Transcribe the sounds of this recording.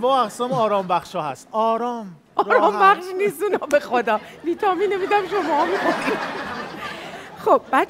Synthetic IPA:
bɒːæɣsæmɒːɾɒːmbæχʃhɒːhæ̰st̪ɒːɾɒːm | ɒːɾɒːmbæχʃniːst̪uːnɒːbexo̞d̪ɒː | viːt̪ʰɒːmiːnemiːd̪æmʃomɒːmixoni | χob̥̚bæ

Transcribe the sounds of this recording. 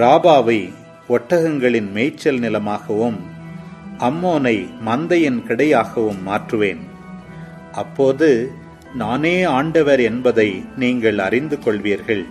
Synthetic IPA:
ɾaːbaːʋɐɪ | ɔʈːɐɣɐŋɡɐɭɪnmeːt͡ʃːɐlnɪlɐmaːɣɐʋɯm | ʔɐmːoːnɐɪmɐnd̪ɐjɪnkɪɽɐjaːɣɐʋɯmːaːʈrɯʋeːn | ʔɐpːoːðɯ | naːneːaːɳɖɐʋɐɾɛnbɐðɐɪniːŋɡɐɭɐ̰rɪnd̪ɯkɔɭʋiːɾɣɐɭ

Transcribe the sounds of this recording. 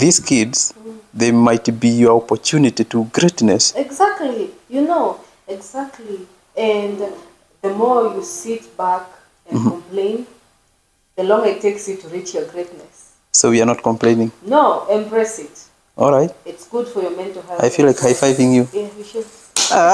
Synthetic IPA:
ðiz̥kʰɪdz̥ðəmaɪtbijə˞ɔpə˞tʰunɨtituɡɹetnɨsɛɡzæk̚tʰˡlijɨnoʊ | ɛɡzæk̚tʰˡli | ɨ̃n | ðəmɔɹjusit̚bæk | ɨ̃n̩kmplẽɪ̃n | ðəlɔ̃ŋɡə˞ɨtʰːeɪksjɨtuɹit͡ʃjə˞ɡɹetnɨs | soʊwiə˞nɔtkʰɔ̃mpʰl̥ẽɪ̃nɪ̃ŋnoʊɛ̃mbɹɛsɪt̚ | ʔɔlˠɹaɪt̚ɪtsɡ̥ud̥fə˞jə˞mɛ̃ntuɦɛaɪfilaɪkhaɪfaɪvɪ̃ŋjujæʃ | a

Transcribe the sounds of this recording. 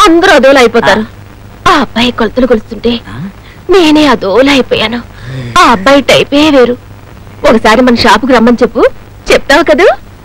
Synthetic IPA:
ɐnd̪ɐɾoɐd̪oːlɐjipɔːt̪aːɾu | aːɐbːɐjkolt̪ulukɐlust̪uɳʈe̞ː | neːneːɐd̪oːlɐjipɔ̰ːjaːnu | aːɐbːɐjʈɐjpɔjeːʋeːɾu | ɔkɐsaːɾimɐnɐʃaːpuk̬ɾɐmːbɐnt͡ʃepːu | t͡ʃɛp̚t̪aːʋkɐd̪u

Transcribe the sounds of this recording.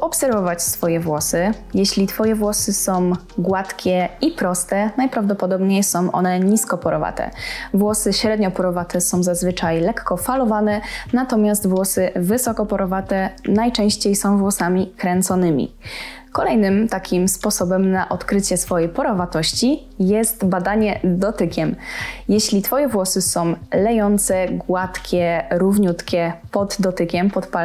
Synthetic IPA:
ɔpsɛɾvɔvat͡ɕsfɔjɛvwɔsɘ | jɛɕlʲit̪fɔjɛvwɔsɘsɔ̃w̃ | ɡwat̪kʲɛipɾɔst̪ɛnajpɾavd̪ɔpɔd̪ɔbɲejsɔ̃w̃ʔɔ̰nɛɲiskɔpɔɾɔva̰t̪ɛ̰vwɔsɘɕɾɛd̪ɲɔpɔɾɔvat̪ʰɛsɔ̃w̃zazvɘt͡ʂajlɛkːɔfalɔvanɛnat̪ɔmʲast̪vwɔsɘvɘsɔkɔpɔɾɔvat̪ɛnajt͡ʂɛ̃w̃ɕt͡ɕejsɔ̃w̃vwɔsamʲikɾɛnt̪sɔnɘmʲḭ | kɔlɛjnɘmt̪akʲimspɔsɔbɛmnaʔɔt̪kɾɘt͡ɕɛsfɔjejpɔɾɔvat̪ɔɕt͡ɕi | jɛst̪bad̪aɲɛd̪ɔt̪ɘkʲɛmjɛɕlʲit̪fɔjɛvwɔsɘsɔ̃w̃lɛjɔnt̪sɛɡwat̪kʲɛɾuvɲut̪kʲɛpɔd̪ːɔt̪ɘkʲɛmpɔt̪pa

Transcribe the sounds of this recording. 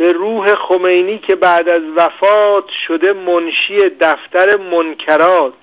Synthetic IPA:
be̞ɾuːɦe̞xomejniːcʰe̞bæʔd̪æzvæfɒːt̪ʰʃod̪e̞monʃie̞d̪æft̪æɾe̞monkʰæɾɒːt̪

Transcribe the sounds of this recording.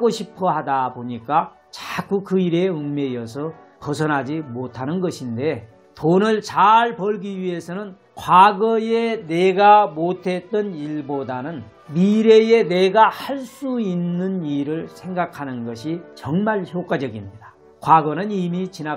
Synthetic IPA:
ɡoɕʰipʰʌɦadaboɲik͈a | t͡ɕak͈ukɯiɾeɯŋme̞ijʌsʰʌ | kʌs̬ʰʌnɦad͡ʑimotʰanɯnɡʌɕʰinde̞ | tonɯɭt͡ɕaɭpʌɭɡiɥiɦe̞sʰʌnɯn | kwaɡʌje̞neɡamotʰe̞t͈ʌniɭbodanɯn | miɾe̞je̞ne̞ɡahaɭs͈uinːɯniɾɯɭsʰe̞ŋɡakʰanɯnɡʌɕʰit͡ɕʌŋmaɭçjok͈wad͡ʑʌɡimɲida | kwaɡʌnɯnimit͡ɕina

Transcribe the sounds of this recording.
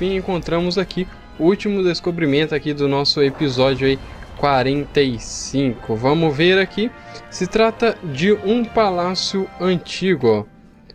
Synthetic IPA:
fĩẽkõnt̪ɾɐ̃mʊzaki | ʊut͡ʃimʊd̪eskobɾimẽnt̪ʊakid̪ʊnɔsʊepizɔd͡ʒjʊikwaɾẽnt̪ejsĩkʊvɐ̃mʊveɾaki | sɪt̪ɾat̪ɐd͡ʒɪũpalasjʊɐ̃t͡ʃiɡʊ

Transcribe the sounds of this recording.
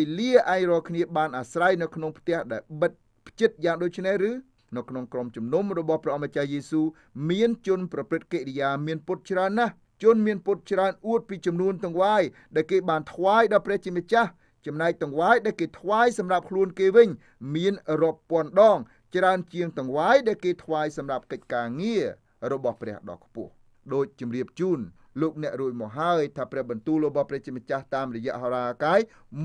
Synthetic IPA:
eliəʔaɛŋrɔːlkʰniəɓaːnʔasrajnɨwkʰnoŋpʰt̪ɛ̆əhɗaɛlɓət̪̚ | pʰt͡ɕɨt̪̚jaːŋɗoːc̚t͡ɕʰnehrɨː | nɨwkʰnoŋkromt͡ɕumnumrɔɓɑhprɛəʔɑmːat͡ɕahjeːsuː | miənt͡ɕʊnprɑprɨt̪̚keːʔrijaːmiənpʊt̪̚t͡ɕraənːah | t͡ɕunmiənpʊt̪̚t͡ɕraənʔuət̪̚piːt͡ɕɑmnuənt̪ʊŋʋaːjɗaɛlkeːɓaːnt̪ʰʋaːjɗɑprɛ̆əht͡ɕiəmət͡ɕah | t͡ɕɑmnaɛk̚t̪ʊ̆ŋʋaːjɗaɛlkeːt̪ʰʋaːjsɑmrap̚kʰluənkeːʋɨɲ | miənrŏəpːŏənɗɑːŋ | t͡ɕraənt͡ɕiəŋt̪ɔ̆ŋʋaːjɗaɛlkeːt̪ʰʋaːjsɑmrap̚kəc̚kaːŋiə | rɔɓɑhprɛ̆əhɗɑ̰ːkʰpʊ̆əh | ɗoːc̚t͡ɕɑmriəp̚t͡ɕuːn | loːk̚nɛ̆əʔruəc̚mɔːk̚ɦaəjt̪ʰaːprɛ̆əhɓɑnt̪uːlrɔɓɑhprɛːəht͡ɕiəmeət͡ɕaht̪aːmrɔjɛ̆əʔɦɔɾaːkaːj

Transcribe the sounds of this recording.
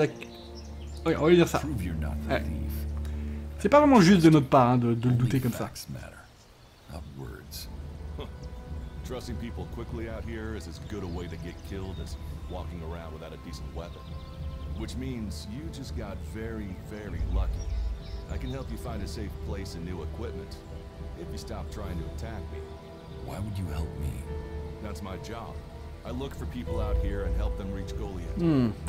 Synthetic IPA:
vɛk | wɛɔ̃vald̪iʁsa̰pɹ̥uvjə˞nə̰t̚ɛḭ | sɛpavʁɛmɑ̃ʒyst̪̚d̪ənɔt̪χpaʁɛ̃d̪əd̪ələd̪ut̪ekʌmsasmæ̰ɾə̰˞ | ʌ̰p̚wə̰˞dz̥ | tʰɹ̥ʌsɪ̃ŋpipl̩ˠkʰw̥ɪkliaʊt̚hiɹɨzɨzɡʊɾəweɪɾɨɡɛt̚kʰɪlˠdɨzwɔkɪ̃ŋə˞ãʊ̃ndwəθaʊɾɨpʰisʌvwɛpə̃n | wɨt͡ʃmĩnzjɨd͡ʒʌsɡ̥ɑtvɛɹivɛɹilʌkiʔaɪkɨ̃nhɛlˠpjɨfãɪ̃ndɨseɪfpʰl̥eɪsɨ̃nʉəkʰw̥ɪp̚mɨ̃nt | ɨfjɨstɑp̚tʰɹ̥aɪɪ̃ŋtʰɨːtʰæk̚mḭ | wa̰ɪwəd͡ʒɨhɛ̰lˠp̚mḭðætsmaɪd͡ʒɑb̥ | aɪlʊkfə˞pʰipl̩ˠaʊt̚hiɹɨ̃nɦɛlˠp̚ðɨ̃mɹit͡ʃɡ̥oʊlˠiɨ̰t

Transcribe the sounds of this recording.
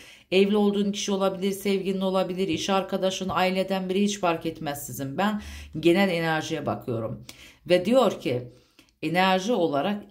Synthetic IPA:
ɛvlʲio̞lˠd̪uːncʰi̥ʃio̞lˠabilʲiɾsɛvɟinʲio̞lˠabilʲiɾiʃaɾkʰad̪aʃɯnaːilʲe̞d̪ænbiɾiɦit͡ʃfaɾcɛt̪mɛzːizinbænɟe̞nælʲe̞næɾʒijɛba̰kʰɯjo̞ɾumvɛd̪ijo̞ɾcʰi | e̞næɾʒio̞lˠaɾak

